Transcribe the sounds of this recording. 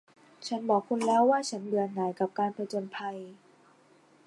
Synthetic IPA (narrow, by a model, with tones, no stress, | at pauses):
t͡ɕʰa˦˥nbɔː˨˩kʰːu˧nlɛː˦˥wːaː˥˩t͡ɕʰa˦˥nbɯ˨˩ənaː˩˦jka˨˩p̚kaː˧npʰa˧t͡ɕo˧npʰa˧j